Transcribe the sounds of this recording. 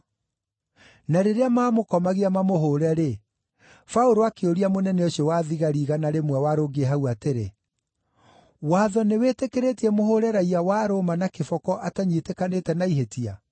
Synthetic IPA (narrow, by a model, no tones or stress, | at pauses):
naɾeɾeamaːmokɔmaɣeamamoɦoɾɛɾe | faoɾoakeoɾiamonɛnɛoɕɔwaðiɣaɾiɣanaɾemwɛwaɾoːɡeɛɦauateɾe | waːðɔneweːtekeɾetiɛmohoɾɛɾaiawaːɾomanakefɔkɔʔataɲitekanetɛnaiɦetia̰